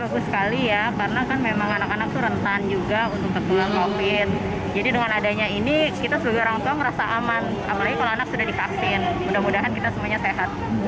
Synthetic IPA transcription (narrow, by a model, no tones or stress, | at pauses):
baɡʊsə̥kalijakarnakanmemaŋanakanak̚t̪uɾənt̪and͡ʒuɡaunt̪ʊk̚pət̪ulankofɪt̪̚ | d͡ʒadidəŋanadaɲainikit̪asəbaɡajoɾaŋat̪uaŋɾasaʔamanapalaɡikalaanak̚sudahdikafɪnmudamudaɦankit̪asəmuaɲaseɦat̪̚